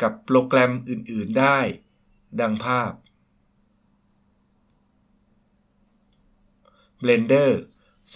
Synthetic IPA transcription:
ka˨˩pːɾoː˧klɛ˧mʔɯː˨˩nʔɯː˨˩ndaː˥˩j | da˧ŋpʰaː˥˩p̚ | ble˧ndɤː˥˩ | s

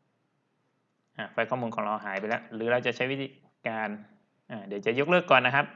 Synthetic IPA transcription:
ʔaː˧˩faː˧jkʰɔː˥˩muː˧nkʰɔː˩˦ŋɾa˧wɦaː˩˦jpa˧jlɛː˦˥wɾɯː˩˦ɾa˧wt͡ɕa˨˩t͡ɕʰa˦˥jwi˦˥t̪ʰiː˧˦ | kaː˧n | ʔaː˧˩di˨˩˦wt͡ɕa˨˩jo˦˥k̚lɤː˥˩kːɔː˨˩nːa˦˥kʰa˦˥p̚

